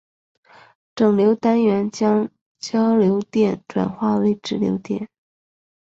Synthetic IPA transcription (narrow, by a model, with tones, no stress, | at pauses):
ʈ͡ʂɤ˨˩ŋljo˧˥ʊt̪a˥nɥɛ˧˥nt͡ɕjɑ˥ŋ | t͡ɕjɑ˥ʊljo˧˥ʊt̪jɛ˥˩nʈ͡ʂwa̰˨˩nxwa˥˩we˧˥ɪʈ͡ʂɻ̩˧˥ljo̰˧˥ʊt̪jɛ̰˥˩n